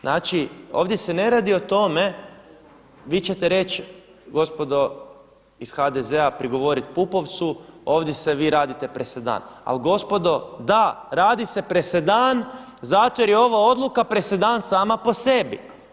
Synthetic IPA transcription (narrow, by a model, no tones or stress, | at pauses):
naːt͡ʃio̞̰ːʋd̪jesene̞ɾaːd̪iot̪o̞me̞ | ʋiːt͡ɕe̞t̪eɾe̞t͡ʃ | ɡo̞spo̞d̪o̞ | isxad̪ezeapɾiɡo̞ʋo̞ɾit̪pupo̞ʋt̪suo̞ːʋd̪je̞seʋiːɾaːd̪it̪epɾesed̪a̰ːna̰lɡo̞spo̞d̪o̞d̪aɾaːd̪ise̞pɾesed̪aːn | zat̪ojeɾjeo̞ʋao̞d̪lˠukapɾesed̪aːnsaːmapo̞se̞bḭ